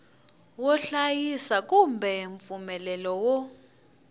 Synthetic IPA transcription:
wɔɬajisak̬ʼumbʱɛɱfumɛlɛlɔwɔ

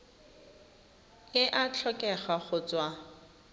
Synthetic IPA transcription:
ɪʔat͡ɬʰɔkʼɛχaχʊt͡sʼwa

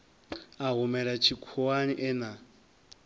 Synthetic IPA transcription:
aɦumɛɺat͡ʃʰikʰuwaniʔɛna

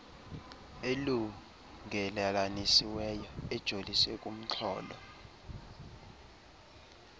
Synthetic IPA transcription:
elu | ŋʱɛlalanisiwɛjɔɛd̥ʒ̥ʱolisɛkʼum̩t͡ɬʰɔ̰ːlɔ̰

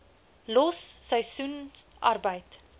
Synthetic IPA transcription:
lɔsːəjsunʔɐrbəjt

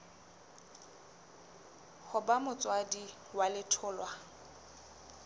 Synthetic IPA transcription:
χʊbamʊt͡sʼwadi | walɪtʰʊːlwa

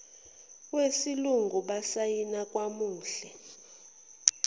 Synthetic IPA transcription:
wesiluŋɡʱuɓasajinakʼwamuːɬɛ

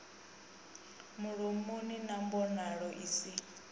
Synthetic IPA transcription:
muɺomuninambɔnaɺɔʔisi

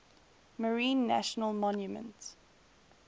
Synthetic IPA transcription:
məɹĩːnːæ̰ʃənəlˠmɔ̃njumə̰̃nt

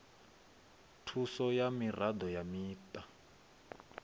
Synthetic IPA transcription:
tʰusɔjamirad̪ɔjamiːtʼa

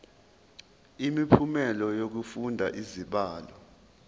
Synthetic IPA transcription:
imipʰumɛlɔjok̬ufundʱaʔiziɓaːlɔ

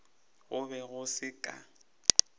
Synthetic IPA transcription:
ɣʊbɛɣʊsɪkʼa̰

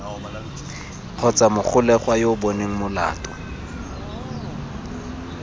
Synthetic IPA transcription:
q͡χʰɔt͡samʊχʰʊlɛχwajobɔneŋ̩mʊla̰ːtʼɔ̥

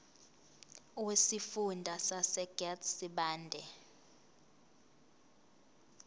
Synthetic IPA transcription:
wesifundʱasasɛɡ̥ɛtsiɓaːndʱɛ

